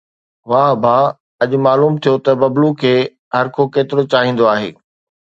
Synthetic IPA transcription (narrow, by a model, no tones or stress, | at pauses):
ʋãbʱa | ɐʄ̆maːluːmt̪ʰijot̪ɐbɐblukʰeː | ɦɐɾkʰokeːt̪ɪɾot͡ɕaːɦĩːn̆d̪oaːɦḛː